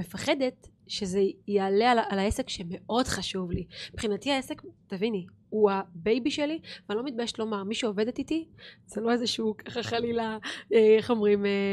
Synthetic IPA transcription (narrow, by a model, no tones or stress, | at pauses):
me̞faχe̞d̪et | ʃezejealealaʔalaesekʃeme̞ʔo̞dχaʃuvlibχinatiaesektavini | huabe̞jbiʃelivalo̞mit̪̚bajeʃtlo̞maʁmiʃeove̞d̪et̪itiz̥elo̞ezeʃuːkʰaχaχalilaeeχo̞mʁime